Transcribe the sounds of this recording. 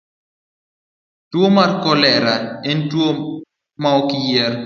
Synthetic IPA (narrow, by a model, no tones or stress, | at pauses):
twomarkɔlɛɾaentwo | maɔkɪjɛɾ